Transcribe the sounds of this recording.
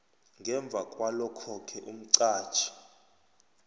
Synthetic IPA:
ŋɡʱɛɱb̪vʱakʼwalɔkʰɔkʰɛʔum̩ǀḁːt͡ʃʰi̥

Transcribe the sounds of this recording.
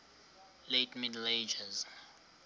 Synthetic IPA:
letmidled͡ʒaz

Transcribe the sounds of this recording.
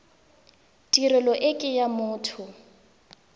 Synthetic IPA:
tʼirɛlɔʔɪkʼɪjamʊːtʰʊ

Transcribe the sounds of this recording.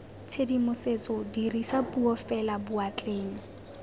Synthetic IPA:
t͡sʰedimʊset͡sɔdirisapʼuɔfɛlabʊat͡ɬʼeːŋɔ

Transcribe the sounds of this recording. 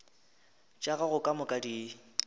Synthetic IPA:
t͡ʃʼaɣaɣʊkʼamʊkʼadi

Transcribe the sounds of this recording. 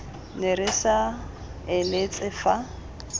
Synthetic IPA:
nɪɾɪʃa | ɪlet͡sʼɪfa

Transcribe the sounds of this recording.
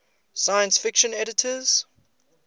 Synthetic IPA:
sajə̃nsfɪkʃə̃nɛɾɪtʰəz̥

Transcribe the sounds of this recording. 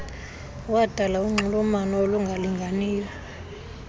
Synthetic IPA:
wad̥ʱalauŋ͡ǀulumanɔoluŋɡʱaliŋɡʱaniːjɔ

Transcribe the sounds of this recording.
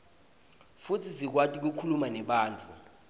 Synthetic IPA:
futʰisik̬watʼik̬ukʰulumanɛɓaːnt͡fʰʼu

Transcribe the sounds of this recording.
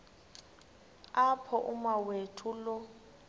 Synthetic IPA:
apʰɔʔumawetʰulɔ

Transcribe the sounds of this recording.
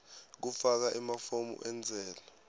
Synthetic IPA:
k̬ufak̬aʔimafomṵʔɛnd͡zʱɛːla

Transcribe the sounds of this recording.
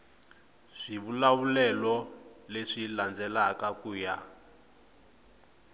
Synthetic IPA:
z̥iβulaβulɛlɔleʂiland͡zɛlakakuːja

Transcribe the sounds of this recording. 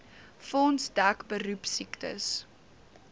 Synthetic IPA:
fɔnsdækbəɾupsiktə̰s

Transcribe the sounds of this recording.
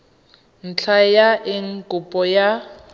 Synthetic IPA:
n̩t͡ɬʰajaʔɪŋ̩kʼʊpʼɔja

